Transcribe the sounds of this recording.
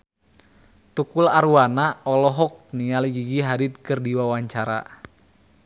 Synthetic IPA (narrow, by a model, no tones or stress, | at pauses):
t̪ukulaɾuwanaɔlɔɦɔk̚nialiɡiɡiɦaɾit̪̚kərdiwawaɲt͡ʃaɾa̰